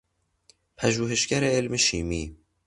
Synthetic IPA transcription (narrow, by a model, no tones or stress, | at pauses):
pʰæʒuːɦeʃɡæɾeelmeʃiːmiː